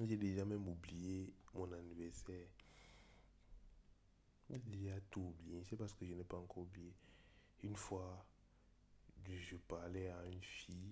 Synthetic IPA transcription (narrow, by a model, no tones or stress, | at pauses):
ʒɛdeʒãmɛ̃moblijemɔ̃nanivɛʁsɛ | deʒatublijɛ̃sɛpasə̥kəʒənɛpaŋkɔublije | ynfwa | ʒəpaʁlɛaynfi